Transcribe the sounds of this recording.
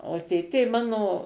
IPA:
oː ˈtʲeːtʲeː ˈmɑːnoː

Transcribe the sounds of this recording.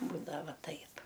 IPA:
ˈbuːdɐʋɐ ˈtɐɪp

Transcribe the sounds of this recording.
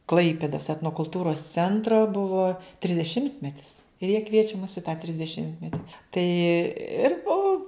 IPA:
ˈklˠɐɪpʲeːdoːs ɛtnoːkʊlˠˈtuːroːs ˈt͡sʲɛntroː ˈbʊʋoː tʲrʲɪzʲdʲɛˈʃʲɪmʲtʲmʲɛtʲɪs ɪr jiɛ ˈkʋʲiɛt͡ʃʲɛ mʊs ɪ tɑː tʲrʲɪzʲdʲɛˈʃʲɪmʲtʲmʲɛtʲɪ ˈtɐɪ ɪr ˈoː

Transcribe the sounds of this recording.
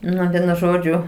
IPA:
ˈnʊ ˈʋʲiɛnʊ ˈʒoːd͡ʒʲʊ

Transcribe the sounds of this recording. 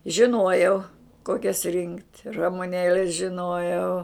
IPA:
ʒʲɪˈnuɔjɛʊ ˈkoːkʲɛs rʲɪŋktʲ rɐmʊˈnʲeːlʲɛs ʒʲɪˈnoːjɛʊ

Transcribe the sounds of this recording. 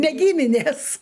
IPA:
nʲɛ ˈɡʲiːmʲɪnʲeːs

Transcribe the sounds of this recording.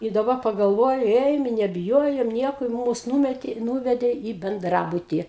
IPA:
ɪ dɐˈbɐ pɐɡɐlˠˈʋoːjʊ ˈeːjoːm ɪ nʲɛbʲɪˈjoːjoːm ˈnʲiɛkoː ɪ ˈmuːs ˈnuːmʲɛtʲeː ˈnuːʋʲɛdʲeː iː bʲɛnˈdrɑːbʊtʲiː

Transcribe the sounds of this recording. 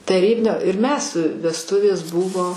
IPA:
tɐˈrʲiːbʲɪnʲoː ɪr ˈmʲɛs ʋʲɛsˈtʊʋʲeːs ˈbʊʋoː

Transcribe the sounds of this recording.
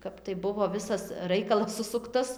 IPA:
ˈkɐp tɐɪ ˈbʊʋoː ˈʋʲɪsɐs ˈrɐɪkɐlˠɐs ˈsʊsʊktɐs

